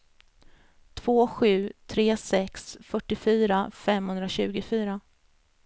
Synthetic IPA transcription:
t̪ʰv̥oːɧʉ̟ːt̪ʰɾeːsɛksfœʈːɪfyːɾafɛmhɵnd̪ɾaɕʉ̟ːɡʊfyːɾa

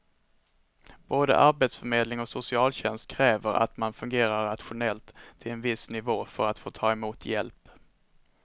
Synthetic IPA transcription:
b̥oːd̪ə̰ʔaɾbeːt̪sfœɾmeːd̪lɪŋɔsʊsɪɑːlɕɛnst̪̚kʰɾɛːvəɾa̰t̪manfɵŋɡeːɾaɾːat̪ɧʊnɛlt̪ʰːɪlɛnvɪsnɪvoːfœɾat̪foːt̪ʰɑːɛmuːt̪ʰjɛ̰lp

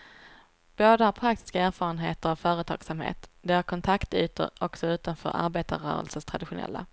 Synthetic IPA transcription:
b̥oːd̪əhaɾpʰɾak̚t̪ɪ̥skaæːɾfɑːɾənɦeːt̪əɾavfœːɾət̪ʰɑ̰ːɡ̥samhḛːt̪d̪ɛaɾkʰɔnt̪ʰakt̪yːt̪ə̰ɾɔksɔʉ̟ːt̪anfœ̰ːɾʔa̰ɾbeːt̪aɾœ̰ːɾə̰lsəʂt̪ʰɾad̪ɪɧʊnɛ̰lːa̰

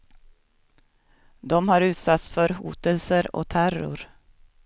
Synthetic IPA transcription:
d̪ɔmhɑɾʉ̟ːt̪sat̪sfœɾhṵːt̪əlsəɾɔ̰t̪ʰæɾʊ̰ɾ

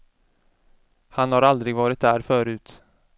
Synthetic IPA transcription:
hanhaɾald̪ɾɪɡvɑːɾɪt̪̚d̪æːɾfœːɾʉ̟ːt̪

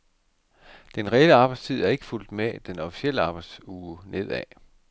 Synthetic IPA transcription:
d̥enʁɛeləɑ̈ːb̥ɑ̈ɪdst͡sʰið̞̰ˠæɐe̝ɡ̥ə̥ful̰d̥med̥enɒ̽fi̥sel̰əɑ̈ːb̥ɑ̈ɪd̥suːnʔe̝ð̰ˠɛ

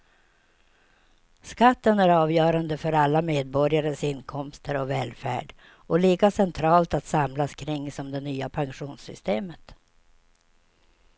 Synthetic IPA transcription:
skat̪ːənæɾɑːvjœːɾand̪əfœɾalːameːd̪̚bɔɾjaɾəsɪnkʰɔmst̪əɾɔvɛːlfæ̰ːɖ | ɔliːkasɛnt̪ʰɾɑːlt̪at̪samlaskʰɾɪŋːsɔmd̪ɛnyːapʰaŋɧuːnsʏ̰st̪eːmət̪

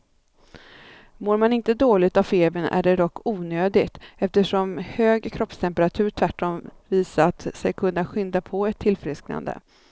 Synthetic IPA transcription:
moːɾmanɪnt̪əd̪oːlɪt̪avfeːbənæ̰ɖɛd̪ɔkːuːnøːd̪ɪɡt̪ɛft̪əʂɔmhøːɡkʰɾɔpst̪ʰɛmpəɾat̪ʰʉ̟ːɾʈ̪ʰvæʈːɔmviːsaat̪sɛjkʰɵnːaɧʏnd̪apʰɔɛt̪ʰːɪlfɾɪskna̰nd̪ə̰

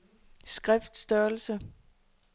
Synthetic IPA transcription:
sɡ̥ʁɛfd̥sd̥œɐl̩sə

